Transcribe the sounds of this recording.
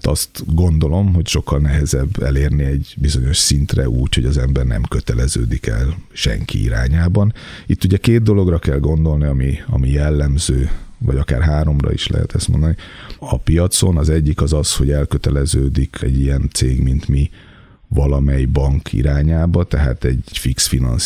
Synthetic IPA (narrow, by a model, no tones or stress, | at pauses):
t̪ɒst̪ɡo̞nd̪o̞lo̞mɦo̞cʃo̞kːɒlnɛɦɛzɛbːɛ̰leːrniɛɟbizo̞ɲo̞ʃsint̪rɛ̰ʔuːcho̞ɟɒzɛmbɛrnɛ̰mkøt̪ɛlɛzø̰ːd̪ikɛ̰lʃɛ̰ŋkḭḭɾa̰ːɲaːbɒnit̪ːuɟɛkeːd̪̚d̪o̞lo̞ɡrɒkɛlɡo̞nd̪o̞lniɒmiɒmijɛlːɛmzøːvɒɟɒka̰ːrɦaːɾo̞mrɒ̰ḭʃlɛ̰ɦɛ̰t̪ʰɛst̪mo̞nd̪ɒniɒpijɒt̪so̞nɒzɛɟːikɒzɒsho̞ɟɛlkøt̪ɛlɛzøːd̪ikʰɛ̰ɟːijɛnt̪seːɡmint̪mi | vɒlɒmɛjibɒŋkʰḭɾaːɲaːbɒt̪ɛɦa̰ːt̪ɛɟfiksfinɒ̰ns